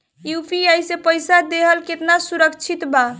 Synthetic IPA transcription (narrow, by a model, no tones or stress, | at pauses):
jupʰiajsepəjsad̪eɦəlket̪nasuɾəkt͡ʃʰit̪ba